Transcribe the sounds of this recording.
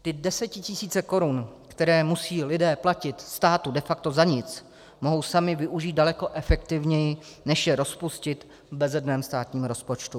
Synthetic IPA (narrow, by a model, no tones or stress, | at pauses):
t̪ɪdɛsɛt̪̚cɪcɪsiːt͡sɛko̞ɾunkt̪ɛɾɛːmusiːlɪdɛːplacɪt̪st̪aːt̪udɛfak̚t̪o̞zaɲɪt͡s | moɦo̞wsamɪvɪʔuʒiːt̪̚dalɛko̞ʔɛfɛk̚t̪ɪvɲɛjɪ | nɛʃjɛɾo̞spuscɪt̪ | vbɛzɛdnɛːmst̪aːt̪ɲiːmɾo̞spot͡ʃt̪u